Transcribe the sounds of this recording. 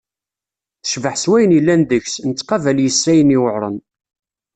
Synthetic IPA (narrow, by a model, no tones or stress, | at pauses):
θə̥ʃvəħswæjənilːænd̪əçsnət͡sːqɑvæljəsːæjəniwəʕɾˤə̰n